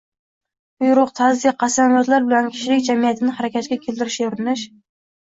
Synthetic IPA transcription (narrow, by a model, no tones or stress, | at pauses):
bʊjɾʊqt̪ʰazjqʰɑsanjɒt̪laɾbɪlɛnkʲʰi̥ʃilɪk̚ʲd͡ʒɛmijɛt̪ʰɪnɪhæɾɛkʲʰɛt̪̚kʲɛkʲʰelt̪ɪɾɪʃoɾɪnɪʃ